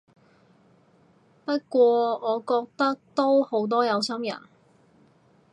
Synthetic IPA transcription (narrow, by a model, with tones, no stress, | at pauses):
pɐ˥t̚kʷɔː˧ɔː˨˧kɔː˧k̚t̪ɐ˥k̚t̪o˥who˨˥wt̪̬ɔː˥jɐ˨˧wsɐ˥mjɐ̰˨˩n